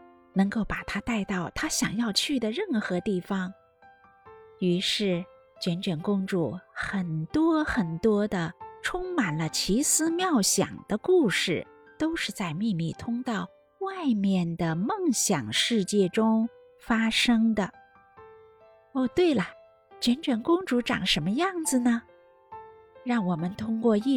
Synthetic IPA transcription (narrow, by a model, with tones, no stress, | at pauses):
nɤ˧˥ŋko˥˩ʊpa˨˩t̪ʰa˥t̪a˥˧ɪt̪ɑ˥˩ʊt̪ʰa˥ɕjɑ˨˩ŋjɑ˥˧ʊt͡ɕʰy˥˩d̪ə˩ɻə˥˩nxɤ˧˥t̪i˥˩fɑ˩ŋ | y˧˥ʂɻ̩˥˩ | t͡ɕɥɛ˧˥nʈ͡ʂɥɛ˨˩nkʊ˥ŋʈ͡ʂu˥˩xə˨˩nt̪wɔ˥xə˨˩nt̪wɔ˥d̪ə˨ʈ͡ʂʰʊ˥ŋma˨˩nlə˦t͡ɕʰi˧˥sɹ̩˥mjɑ˥˩ʊɕjɑ̰˨˩ŋd̪̥ə˦ku˥˧ʂɻ̩˥˩ | t̪o˥ʊʂɻ̩˥˧t͡sa˥˧ɪmi˥˧mi˥˩t̪ʰʊ˥ŋt̪ɑ˥˩ʊ | wa˥˧ɪmjɛ˥˩nd̪ə˩mɤ˥˩ŋɕjɑ˨˩ŋʂɻ̩˥˧t͡ɕjɛ˥˩ʈ͡ʂʊ˥ŋ | fa˥ʂɤ˥ŋd̪ə˨ | ɔ˥˩t̪we˥˩ɪlə˩ | t͡ɕɥɛ˧˥nʈ͡ʂɥɛ˨˩nkʊ˥ŋʈ͡ʂu˧˥ʈ͡ʂɑ̰˨˩ŋʂə˧˥nmə˧jɑ˥˩ŋd͡zɹ̩˩nə˩ | ɻɑ˥˩ŋwɔ˨˩mə˦nt̪ʰʊ˥ŋkwɔ˥˧i˥˧